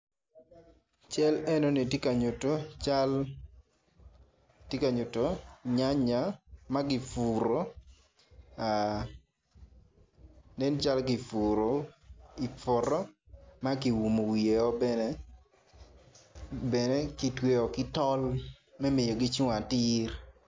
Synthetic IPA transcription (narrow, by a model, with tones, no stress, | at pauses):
t͡ʃɛ˦lɛ˦no˦ni˨te˦ka˨ɲo˨to˦t͡ʃa˦l | tje˦ka˨ɲo˨to˨ɲa˦ɲa˨˦ma˦ɡɪ˨fu˨ɾo˦ | a˨ | nɛ˦nt͡ʃa˦lɡɪ˨fu˨ɾo˨i˨fo˨ɾɔ˦ | ma˦kɪ˨wu˨mo˨wi˨e˨ɔ˦bɛ˦nɛ˦ | bɛ˨nɛ˦ki˨twe˦ɔ˨kɪ˦tɔ˦l | mɛ˦me˨jo˨ɡɪ˦t͡ʃʊ˦ŋa˨tɪ˦r